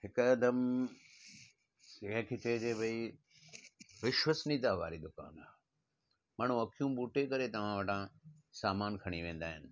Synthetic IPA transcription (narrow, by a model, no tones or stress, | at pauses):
hɪkɐd̪əm | ɪɦə̃kʰeːt͡ɕed͡ʑeːbʱɐi | ʋɪʃʋəsnĩd̪aʋa̰ːɾid̪ʊka̰ːna | maːɳ̤ũɐkʰijũbuːʈekɐɾet̪ɐʋ̤ãʋɐʈã | saːmaːnkʰɐɽ̃iʋẽːn̆d̪aːɦɪnɪ̆